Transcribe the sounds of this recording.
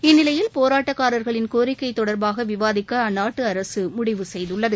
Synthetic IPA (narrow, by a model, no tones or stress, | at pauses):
ɪnːɪlɐjɪlpoːɾaːʈːɐkːaːɾɐɾɣɐɭɪnkoːɾɪkːɐɪt̪ːɔɽɐɾbaːɣɐʋɪʋaːðɪkːɐːnːaːʈːɯɐɾɐsɯmʊɽɪʋɯsɛjðɯɭːɐðɯ